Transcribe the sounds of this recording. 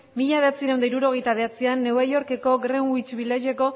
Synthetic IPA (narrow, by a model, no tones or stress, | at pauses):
miʎaβ̞e̞at͡siɾawnd̪aiɾuɾo̞ɣ̞e̞jt̪aβ̞e̞at͡sianːe̞wβajo̞ɾke̞ko̞ɡɾenwit͡ʃβilaʒe̞ko̞